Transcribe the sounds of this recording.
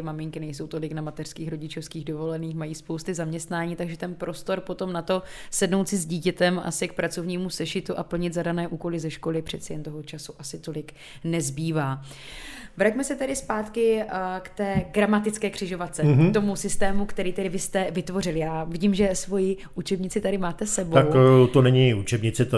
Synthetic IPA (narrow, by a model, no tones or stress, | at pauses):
ɪmamɪŋkɪnɛjso̞wt̪o̞lɪknamat̪ɛr̥skiːxɾo̞ɟɪt͡ʃofskiːɣdo̞vo̞lɛniːxmajiːspo̞wst̪ɪzamɲɛst̪naːɲiːt̪aɡʒɛt̪ɛnpɾʔo̞st̪o̞ɾpo̞t̪o̞mnat̪o̞sɛdno̞wt̪sɪzɟiːcɛt̪ɛmʔa̰sɪk̚pɾat͡so̞vɲiːmusɛʃɪt̪uʔapl̩ɲɪt̪zadanɛːʔuːko̞lɪzɛʃko̞lɪpr̥ɛt̪t͡sɛjɛnt̪o̞ɦo̞t͡ʃasuʔasɪt̪o̞lɪk | nɛzbiːvaː | vɾacmɛsɛt̪ɛdɪspaːt̪kɪkt̪ɛːɡɾamat̪ɪt͡skɛːkr̥ɪʒo̞vat͡sɛt̪o̞musɪst̪ɛːmukt̪ɛɾiːt̪ɛdɪvɪst̪ɛvɪt̪vo̞r̝ɪlɪjaːvɪɟiːmʒɛsvo̞jɪʔut͡ʃɛbɲɪt͡sɪt̪adɪmaːt̪ɛsɛboawkt̪onɛɲɪut͡ʃɛbɲɪt͡sɪ